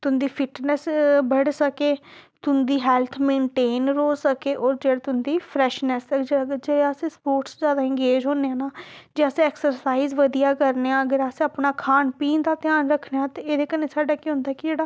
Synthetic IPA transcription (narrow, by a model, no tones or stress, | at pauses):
t̪ʊnd̪iːpʰɪʈnɛsbəɽsəkeːt̪ʊnd̪iːɦɛːlt̪ʰmẽːɳʈeːnɾoːsəkeːʔɔːɾd͡ʒeːɽet̪ʊnd̪iːpʰɾɛʃnɛsd͡ʒd͡ʒeeəsẽːspoːʈsd͡ʒjaːd̪aːɪ̃ŋɡeːd͡ʒɦõːneãːnaːd͡ʒeːəsẽɛːksəɾsaːiːzʋəd̪ijaːkəɾneãːəɡəɾaseaːpnaːkʰaːnpiːnd̪aːt̪ɪjaːnɾəkʰːneːãːt̪eeːd̪eːkəneːsaːɖaːkiːɦʊ̃nd̪aːɛkɪd͡ʒeːɽaː